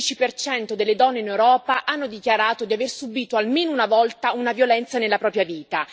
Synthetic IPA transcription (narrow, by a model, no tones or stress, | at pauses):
it͡ʃipert͡ʃɛnt̪od̪elːed̪ɔnːeinewɾɔːpaʔanːod̪ikjaɾaːt̪od̪iaversubiːt̪oalmeːnounavɔlt̪aunavjolɛnt̪sanelːapɾɔːpɾjaviːt̪a